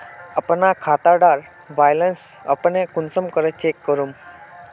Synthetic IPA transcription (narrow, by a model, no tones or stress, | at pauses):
əpnakʰat̪aɖaɾ | ʋajlənsə̰pnekʊnsəmkəɾet͡ʃekːəɾum